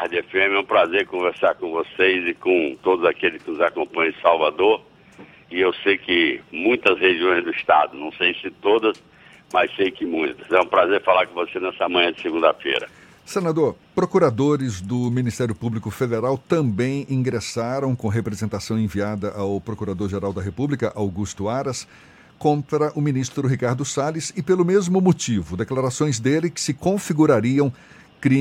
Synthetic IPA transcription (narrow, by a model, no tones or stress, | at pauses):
ad͡ʒɛfɪẽmɪɛũpɾazeɾkõveɾsaɾkõvosejzɪkõt̪od̪ʊzakelɪskɪnʊzakõpɐ̃ɲɐ̃sawvad̪oɾ | ɪewsejkɪmũj̃t̪ɐsheʒiõj̃zd̪ʊist̪a̰d̪ʊnɐ̃w̃sejsɪt̪od̪ɐs | mɐjssejkɪmũj̃t̪ɐzɛũpɾazeɾfalaɾkõvosenɛsɐmɐ̃j̃ɐ̃d͡ʒɪsɪɡũd̪ɐfḛɾɐ̰ | senad̪oɾ | pɾokuɾad̪oɾɪzd̪ʊminist̪ɛɾjʊpublikʊfed̪eɾawt̪ɐ̃mbẽj̃ĩɡɾesaɾɐ̃w̃kõɦepɾezẽnt̪asɐ̃w̃ẽviad̪ɐʔawpɾokuɾad̪oɾʒeɾawd̪ɐɦepublikɐʔawɡust̪ʊaɾɐs | kõnt̪ɾɐʔʊminist̪ɾʊɦikaɾd̪ʊsalɪsɪpelʊmezmʊmot͡ʃivʊd̪eklaɾasõj̃zd̪elɪkɪ̥sɪkõfiɡuɾaɾiɐ̃w̃ | kɾi